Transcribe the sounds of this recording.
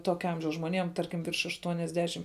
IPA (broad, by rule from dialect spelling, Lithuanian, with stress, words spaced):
ˈtoːkʲɛ ˈɐmʲʒʲɛʊs ʒmoːˈnʲeːm ˈtɐrʲkʲɪm ʋʲɪrʃ ɐʃtuɔnʲɛzʲˈdʲæːʃʲɪm